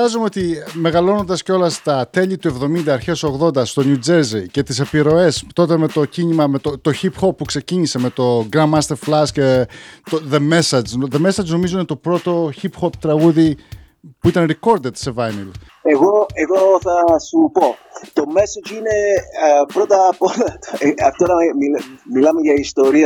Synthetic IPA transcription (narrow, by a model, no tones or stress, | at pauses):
ɐzumeot̪ime̞ɣɐlo̞nond̪ɐsceo̞lɐst̪ɐt̪e̞ʎit̪ue̞vðo̞mind̪ɐːɾçe̞so̞ɣðo̞nd̪ɐst̪o̞njud͡ʒe̞ɾzice̞t̪is̬ɐpiɾo̞e̞st̪o̞t̪e̞me̞t̪o̞cinimɐmet̪ot̪o̞çipxo̞pːukse̞ciɲise̞me̞t̪o̞ɡɾɐmmːɐst̪eɾflɐscet̪oðeme̞sɐd͡ʒnðeme̞sɐd͡ʒno̞mizoinet̪opɾo̞t̪o̞çipxo̞pt̪ɾɐɣuði | puit̪ɐnɾiko̞ɾd̪e̞t̪se̞vɐjnil | eɣo̞eɣo̞θɐsupo̞t̪o̞me̞sot͡ʃine̞pɾot̪ɐpolɐɐft̪oɾɐmimilɐme̞ʝɐist̪o̞ɾiɐ